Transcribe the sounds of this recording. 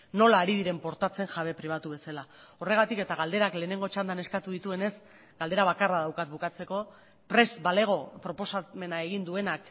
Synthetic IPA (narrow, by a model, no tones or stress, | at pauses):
no̞laːɾiðiɾe̞mpo̞ɾt̪at͡se̞ŋʝaβe̞pɾiβ̞at̪uβe̞salao̞re̞ɣ̞at̪ike̞t̪aɣ̞ald̪e̞ɾakle̞ːne̞ŋɡo̞t͡ʃand̪ane̞skat̪uðit̪ue̞ne̞s | ɡ̥ald̪e̞ɾaβakaraðawkat̪bukat͡se̞ko̞ | pɾe̞sbale̞ɣ̞o̞pɾo̞po̞same̞nae̞ɣ̞ind̪ue̞nak